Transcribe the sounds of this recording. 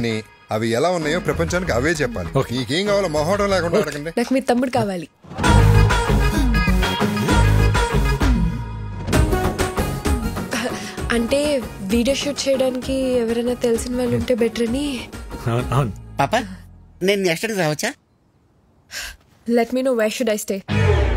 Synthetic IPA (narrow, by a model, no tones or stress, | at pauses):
ni | ɐʋiɛlaːunːaːjoːpɾɐpɐɲt͡ʃaːnikiɐʋe̞ːt͡ʃɛpːa̰ːliokiːkeːŋkaːʋaːlːmɔːɦaːʈɐ̃mlɛːkuɳɖaɐɽɐkɐɳɖinaːkumiːt̪ɐmːuɽkaːʋaːli | ɐɳʈe̞ːʋiːɖijoːʃuːʈt͡ʃɛːjɽaːnikiɛʋɐɾɐjnːaːt̪e̞lisinʋaːlːuɐɳʈe̞ːbɛʈɐɾɐni | nanpaːpaneːnːiɐʂʈɐɽɾaːʋɐt͡ʃːa | leʈmiːnoːʋajʃuɖajsʈeː